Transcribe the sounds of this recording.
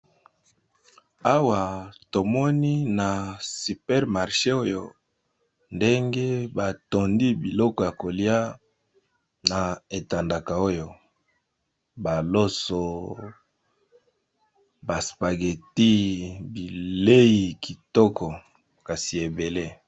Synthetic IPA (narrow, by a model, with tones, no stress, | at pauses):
a˦wa˨to˨mɔ˦ni˦na˨si˨pɛ˦ʁma˨ʁʃe˦o˦jo˨ | nde˦ŋɡe˦ba˨to˨ndi˦bi˨lɔ˦kɔ˨ja˨ko˨li˦a˦ | na˨e˨ta˨nda˨ka˨o˦jo˨ | ba˨lo˦so˨ | ba˨spa˨ɡe˨ti˦bi˨le˦ji˨ki˨tɔ˦kʰɔ˨ | ka˨si˨e˨be˨le˦